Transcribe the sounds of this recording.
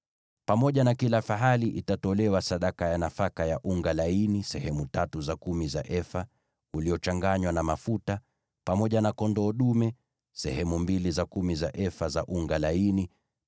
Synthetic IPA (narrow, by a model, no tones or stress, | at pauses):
pamɔʄanakilafaɦaliʔitatɔlɛwasaɗakajanafakajaʔuŋɡalainisɛhɛmutatuzakumiza̰ʔɛfa | uliɔt͡ʃaŋɡaɲwanamafuta | pamɔʄanakɔndɔːɗumɛ | sɛ̰hɛmumbilizakumizaʔɛfazaʔuŋɡalaini